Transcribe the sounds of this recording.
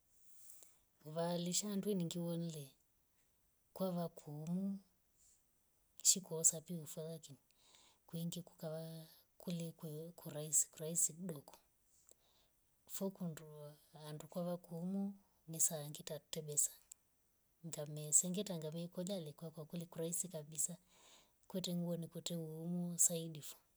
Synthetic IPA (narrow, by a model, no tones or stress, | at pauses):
uβaliʃaːndwiniŋɡiwɔn̩lɛ | kwaβakʰuːmu | ʃikuɔsapiufaðakini | kwiŋɡiku̥kaβa | kulikɛkʰuɾaisi̥kuɾaisiɗɔkɔ̥ | fɔkunduandukwaβakumu | nisaːŋɡitatɛɓɛsḁ | ŋɡamɛsɛŋɡitaŋɡamɛkɔlalikwakwakulikuɾaisikaɓisa | kwɛtɛŋɡuɔnikwɛtɛumusaindifɔ̥